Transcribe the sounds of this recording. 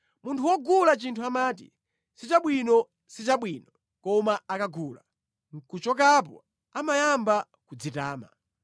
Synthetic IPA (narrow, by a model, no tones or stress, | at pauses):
muntʰuwɔɡulat͡ʃintʰuamaːt̬ḭ | sit͡ʃaɓwinɔ | sit͡ʃaɓwinɔ | kɔmaakaɡuːla̰ | ŋ̩kut͡ʃɔk̬ap̬ɔ̰ | amajamba | kud͡zitaːma̰